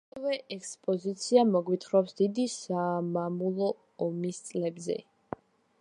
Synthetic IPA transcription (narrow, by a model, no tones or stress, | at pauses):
vɛʔɛkspʼɔzit̪sʰiamɔɡwit̪ʰχɾɔpsd̪id̪isaːmamulˠɔː | mist̪sʼlɛbzɛ̰